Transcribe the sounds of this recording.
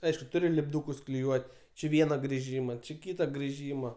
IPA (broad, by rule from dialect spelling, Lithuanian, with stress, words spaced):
ˈɐɪʃkʊ ˈtʊrʲɪ lʲɪbˈduːkʊs klʲɪˈjuɔtʲ t͡ʃʲɪ ˈʋʲiɛnɐ ɡrʲɪˈʒʲiːmɐ t͡ʃʲɪ ˈkʲiːtɐ ɡrʲɪˈʒʲiːmɐ